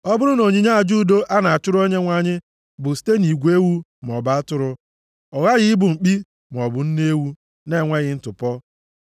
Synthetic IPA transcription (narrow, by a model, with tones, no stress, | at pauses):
ɔ˦bʊ˦ɾʊ˦no˨ɲi˦ɲa˦a˨d͡ʒu˦˨do˦ʔa˦na˨a˨t͡ʃʊ˦ɾo˦ɲe˦ŋʷa˨ɲɪ˦ | bʊ˨si̥˦te˦ni˨ɡʷe˦wu˦ | m˨ɔ˨ba˦tʊ˦ɾʊ˦ | ɔ˨ɣa˦ɣɪ˦bʊ˨ŋ͡m̩˨k͡pi˦ | m˨ɔ˨bʊ˨n̩˦ne˦wu˦ | ne˦˨ŋʷe˦ɣɪ˦n̩˦tʊ˨pɔ˦